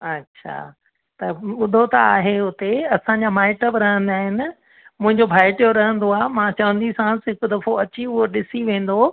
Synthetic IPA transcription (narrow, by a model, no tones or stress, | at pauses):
ɐtːɕʰa̰ː | t̪ɐɓʊd̪ʱot̪ɐa̰ːɦeɦʊt̪eɐsãɲd͡ʑaːmaːɪʈəbɪɾɐɦə̃nd̪aːɦɪnɪ̆ | mʊ̃ɦɪ̃ɲd͡ʑobʱaːɪʈijoɾɐɦə̃nd̪oaːmãːt͡ɕɐʋə̃nd̪isãsɪkʊd̪ɐfoɐt͡ɕiʊɦoɗɪsiʋẽːn̆d̪o